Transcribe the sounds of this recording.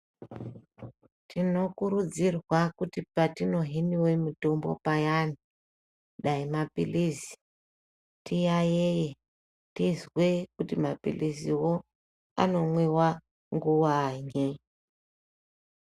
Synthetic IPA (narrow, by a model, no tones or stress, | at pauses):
tino̞kuɾud͡zirwakutipatino̞ɦiniwe̞mito̞mbo̞̰pajani | ɗaimapilizi̥ | tijajeje | tizwekutimapḭliziwo | a̰no̞mwiwa | ŋɡuwaɲi